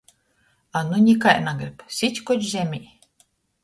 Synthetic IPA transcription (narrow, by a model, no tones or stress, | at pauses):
anunʲikajnaɡɾʲipsʲit̪ʲkɔt͡ʃzʲemʲiː